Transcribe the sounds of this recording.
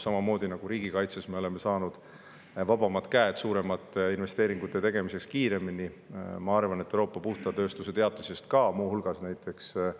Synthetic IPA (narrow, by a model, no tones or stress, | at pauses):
sɑmɑmo̞ːd̪̥inɑɡ̥uɾiːɡ̥ikɑjt̪sesme̞o̞le̞me̞sɑːnud̪̥ | vɑb̥ɑmɑt̪kæet̪suːɾe̞mɑt̪ːˑinve̞st̪e̞ːɾiŋɡ̥ut̪ːˑe̞t̪e̞ɡ̥e̞mise̞kskiːɾe̞minimɑɑrvɑnet̪ːˑewɾo̞ːpːˑɑpuht̪ɑt̪ø̞ːst̪use̞t̪e̞ɑt̪ːˑusest̪kɑmuːhulɡ̥ɑsnæjt̪ʰːˑe̞ks